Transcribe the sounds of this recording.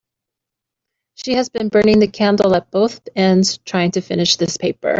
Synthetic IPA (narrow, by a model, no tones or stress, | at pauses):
ʃiɨzbɨ̃nbɜ̃˞nɪ̃ŋðɨkʰæ̃ndl̩ˠət̚b̥oʊθbɛ̃ndz̥tʰɹ̥aɪɪ̃ŋtʰɨfɪnɨʃðɪspʰeɪpə̰˞